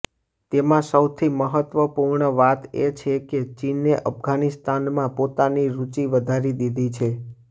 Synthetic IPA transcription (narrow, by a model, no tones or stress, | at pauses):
t̪emãsəwt̪ʰiməɦət̪ʋəpuɾɳəʋat̪ḛt͡ʃʰeket͡ʃineʔəpɡanist̪anmãpot̪aniɾut͡ʃiʋəd̪ʱaɾid̪id̪ʱit͡ʃʰe